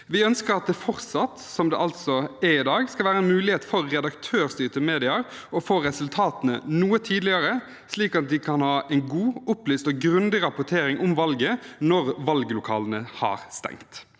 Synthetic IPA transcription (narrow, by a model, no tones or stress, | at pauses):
ʋɪœnskəɾɑt̪̚d̪ɛfɔʁsɑt̪sɔmd̪ɛ̰ʔɑlt̪sɔɛɪd̪ɑːɡskɑlʋæːɾəɛnmʉːlɪheːt̪fɔɾːɛd̪ɑkt̪ʰøːɾst̪yːt̪əmeːd̪ɪɑɾ | ɔfoːɾɛsʉlt̪ʰɑːt̪ənə̰nuːət̪ʰiːd̪lɪəɾə | sliːkɑt̪̚d̪ɪkʰɑnhɑːʔɛnɡuːʊplyːst̪oːɡɾʉnd̪ɪɾɑpʊʈʰeːɾɪŋʔʊmʋɑlɡənɔɾʋɑlɡəlʊkʰɑ̰ːlənəhɑ̰ːɾst̪ɛ̰ŋkt̪